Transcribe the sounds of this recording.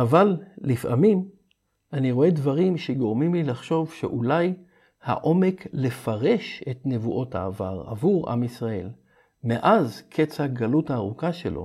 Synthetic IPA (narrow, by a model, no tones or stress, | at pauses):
avallifʔa̰mim | ʔaniʁoe̞dvaʁimʃeɡo̞ʁmimlilaχʃo̞vʃe̞̰ʔulaj | ha̰ʔo̞me̞kle̞faʁe̞ʃe̞tne̞vuʔo̞ta̰ːvaʁa̰vuʁa̰misʁae̞̰l | meʔazkʰet͡saɡaluthaːʁukaʃelʔo̞̰